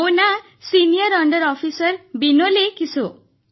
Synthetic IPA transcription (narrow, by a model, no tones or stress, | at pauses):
wna | sinijɔɾɔɳɖɔɾɔpʰisɔɾbinolekiso